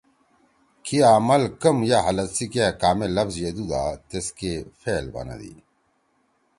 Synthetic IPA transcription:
kiaːmɐlkɐmjaɦɐlɐt̪sikekaːmelːɐfzjed̪ud̪a̰ːt̪eskefeːlbɐ̰na̰d̪ḭ

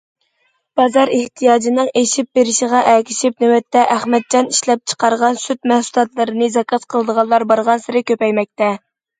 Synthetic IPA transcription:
b̥ɑzɑɾeht̪ʰijɑːd͡ʒinɨŋeʃip̚beɾɪʃiʁɑʔɛkʲʰɪ̥ʃip̚nywɛt̪ːɛʔæχmɛd̪̚d͡ʒɑniʃlɛp̚t͡ʃʰə̥qɑɾʁɑnsyt̪mɛhsulˠɑt̪lˠɨɾɨnɨzɑkʰɑt̪qʰəlˠəd̪əʁɑlˠːɑɾbɑɾʁɑnsɪɾɪkʲøpɛjmɛk̚ʲt̪ɛ

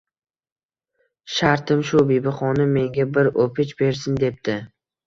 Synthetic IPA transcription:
ʃaɾt̪ʰɪmʃʊbibɪχɒnɪmːe̞ŋɡʲabɪɾopʰɪt͡ʃbe̞ɾsɪnd̪e̞p̚t̪ɪ

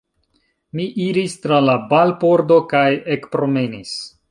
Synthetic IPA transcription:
miʔiɾistɾalabalpo̞ɾdo̞kajekpɾo̞menis

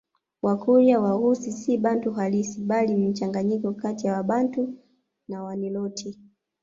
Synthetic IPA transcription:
wakuɾjawahusisiɓantuɦalisiɓalim̩t͡ʃaŋɡaɲikɔkatijawaɓantu | nawanilɔtʰi

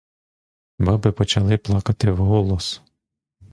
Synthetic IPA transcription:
bɑbɪpɔt͡ʃɐlˠɪplˠɑkɐt̪ɪwɦɔlˠɔs

